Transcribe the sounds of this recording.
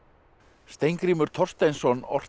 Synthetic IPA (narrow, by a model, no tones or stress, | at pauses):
st̪ejŋkɾiːmʏɾ̥t̪ʰɔr̥st̪ejnsɔnɔ̰r̥